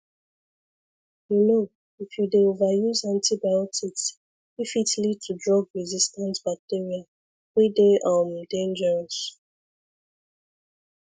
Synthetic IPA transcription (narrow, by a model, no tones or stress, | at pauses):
juno | ifjudeovajuzãntibajɔtʰiks | ifitlid̚tʰudɹɔɡɹizistãntbak̚tiɹia | wideʔamdẽnd͡ʒɛɹɔs